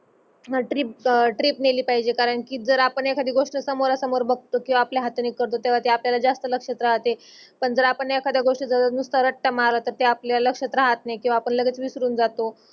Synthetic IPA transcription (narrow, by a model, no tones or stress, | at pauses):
ʈɾipʈɾiːpneliːpaɦid͡ʑekaɾəɳkiːd͡zəɾapəɳjakʰad̪ʱiɡoʂʈəsəmoɾasəmoɾbʱəɡ̚t̪okĩw̃ʋaːpljaɦat̪əniːkːəɾt̪ot̪eʋ̤at̪eapljalad͡zast̪ələkʂət̪ɾaɦt̪e | pəɳd͡zəɾapəɳjakʰad̪jaɡoʂʈəd͡zat̪nust̪aɾəʈːamaɾlat̪əɾt̪eapljaaləkʂət̪ɾaɦat̪najkĩw̃ʋaːpəɳləɡet͡sʋisɾuːnd͡zat̪o